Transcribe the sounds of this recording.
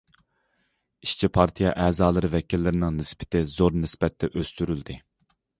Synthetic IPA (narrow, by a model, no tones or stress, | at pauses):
iʃt͡ʃʰipʰɑɾt̪ʰijɑʔɛːzɑːlˠɨɾɨvɛkʲilːɪɾɪnɪŋnɪspɪ̥t̪ɪzoɾnɪsbɛt̪ʰːɛʔøst̪yɾyld̪ɪ